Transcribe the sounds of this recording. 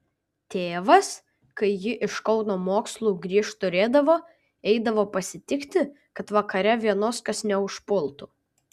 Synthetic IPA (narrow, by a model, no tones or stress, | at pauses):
t̪ʲeːʋɐs | kɐɪjɪʔɪʃkɒʊnoːmoːkslˠuːɡɾʲiːʃt̪ʊɾʲeːd̪ɐʋoː | ɛɪd̪ɐʋoːpɐsʲɪt̪ʲɪkt̪ʲɪ | kɐt̪ʋɐkɐɾʲɛʋʲiɛnoːskɐsnʲɛʊʃpʊlˠt̪uː